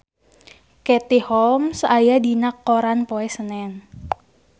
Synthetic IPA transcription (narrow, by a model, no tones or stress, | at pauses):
kɛt̪ihɔmsajadinakːoɾanpoɛsənɛn